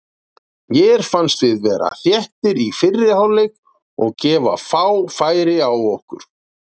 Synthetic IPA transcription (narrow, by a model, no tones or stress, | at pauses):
jɛɾ̥fanst̪vɪðvɛːɾa̰θjɛht̪ɪɾifɪrːɪhawlːɪɣ | ɔɣcɛːva̰faːwfaːjɾɪawɔhkʏ̰ɾ̥